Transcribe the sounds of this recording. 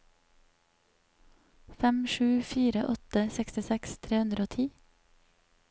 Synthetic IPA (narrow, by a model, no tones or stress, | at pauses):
fɛmʃʉːfiːɾəʔɔt̪əsɛkst̪ɪsɛkst̪ʰɾeːhʉnd̪ɾoːt̪ʰiː